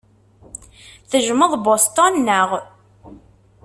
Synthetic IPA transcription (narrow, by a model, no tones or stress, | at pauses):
θəʒməðˤbost̪onːəʁ